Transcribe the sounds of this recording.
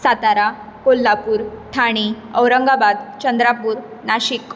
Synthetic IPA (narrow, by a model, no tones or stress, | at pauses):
sat̪aɾa | kolːapuːɾt̪ʰaɽ̃i | əwɾəŋɡabad̪t͡ɕənd̪ɾapuːɾ | naɕik